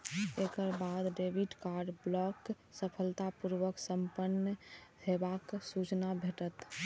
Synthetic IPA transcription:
ekəɾbad̪ɖebiʈkaɾɖblɔk | səpʰəlt̪apuɾʋəksəmpənːəɦebaksut͡ʃnabʱeʈət̪

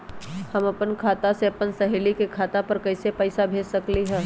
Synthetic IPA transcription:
hɐmɐpənkʰaːt̪aseɐpənsɐɦelikekʰaːt̪apɐɾkɐɪsepɛɪsabʱeːd͡ʒsɐkliɦɛ̃ː

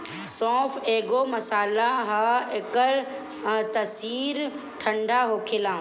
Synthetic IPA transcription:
sɔ̃ːfʰeːɡomɐsaːlaɦaekəɾ | t̪ɐsiːɾ | ʈʰɐ̃ɳɖʱaɦoːkʰɪlãː

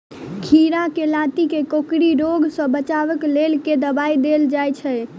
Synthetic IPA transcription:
kʰiɾakelat̪ikekokɾiɾoɡsə̃bət͡ʃaʋəklelked̪əbaid̪eld͡ʒajt͡ʃʰɛ

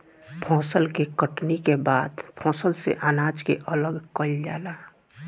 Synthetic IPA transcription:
pʰɔ̃ːsəlkekəʈnikebaːd̪pʰɔ̃ːsəlsḛʔaːnaːd͡ʒkeʔələɡkəld͡ʒaːla

